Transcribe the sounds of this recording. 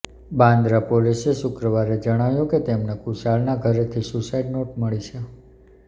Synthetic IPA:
bãnd̪ɾapoliseʃʊkɾəʋaɾed͡ʒəɽ̃aʋjõket̪emnakuʃaɭnaɡʱəɾet̪ʰisusaiɖnoʈməɭit͡ʃʰe

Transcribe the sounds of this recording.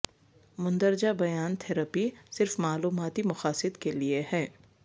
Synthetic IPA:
mʊ̃nd̪əɾd͡ʒabɐjaːnt̪ʰɛɾəpisɪɾfmaːluːmaːt̪imʊxaːsɪd̪kelieɦɛː

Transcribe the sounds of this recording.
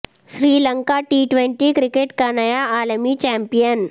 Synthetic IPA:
ɕɾiːləŋkaʈiːʈʋeɳʈikɾikeʈkanajaaːləmit͡ɕɛmpijən

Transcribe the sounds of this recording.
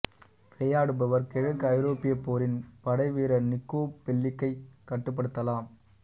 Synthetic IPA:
ɾɛjaːɽɯbɐʋɐɾkɛɻɐkːɐɪɾoːpɪjɐpːoːɾɪnpɐɽɐɪʋeːɾɐnɪkːoːpɛɭːɪkːɐɪkːɐʈːɯp̬ːɐɽɯt̪ːɐlaːm

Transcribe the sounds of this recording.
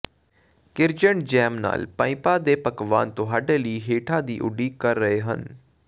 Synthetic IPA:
kɪɾd͡ʒəɳd͡ʒɛːmna̰ːlpãːĩpaːd̪eːpəkʋa̰ːnt̪ʊɦaːɖeːləiːɦeːʈʰaːd̪ḭːʔʊ̰ɖiːkəɾːəeːɦə̰n

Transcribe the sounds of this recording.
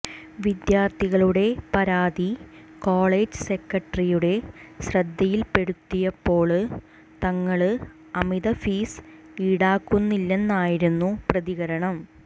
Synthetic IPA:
ʋid̪jaːrt̪ːiɣɐɭuɽe̞pɐɾaːd̪ikoːɭeːd͡ʑɨse̞kːɐʈrijuɽe̞ɕrɐd̪ːɐjilpe̞ɽut̪ːijɐpːo̞ːɭ | t̪ɐŋːɐɭɨ | ɐmiðɐfiːs | iːɽaːkːunːilːe̞nːaːjiɾunːuprɐðiɣɐɾɐɳɐm

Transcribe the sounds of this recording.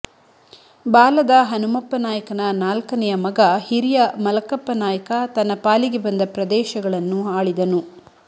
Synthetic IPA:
baːlɐd̪ɐɦɐnumɐpːɐnaːjɐkɐnɐnaːlkɐnɛjɐmɐɡɐhiɾijɐmɐlɐkɐpːɐnaːjɐkɐt̪ɐnːɐpaːliɡebɐnd̪ɐpɾɐd̪ɛːʃɐɡɐɭɐnːuaːɭid̪ɐnu

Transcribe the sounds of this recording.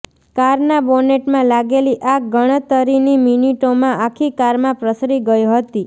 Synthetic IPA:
kaɾnaboneʈmãlaɡeliʔaɡəɽ̃ət̪əɾiniminiʈomãʔakʰikaɾmãpɾəsɾiɡəjũɦət̪i

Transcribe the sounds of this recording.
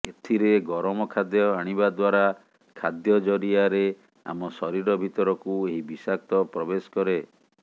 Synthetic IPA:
et̪ʰiɾeɡɔɾɔmɔkʰad̪jɔaɽ̃ibad̪waɾa | kʰad̪jɔd͡ʒɔɾiaɾe | a̰mɔsɔɾiɾɔbʱit̪ɔɾɔkueɦibisak̚t̪ɔpɾɔbesɔ̥kɔɾe

